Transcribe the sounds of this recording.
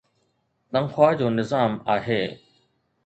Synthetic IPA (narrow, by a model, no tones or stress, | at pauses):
t̪əŋxwaːd͡ʑoːnɪzaːmaːɦeː